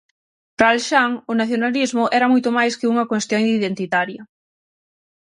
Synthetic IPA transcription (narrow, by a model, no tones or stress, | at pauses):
ɾalʃaŋʊnaθjonalizmʊʔɛɾɐmojt̪ʊmajskɪuŋɐkwest̪joŋd̪iðent̪it̪aɾjɐ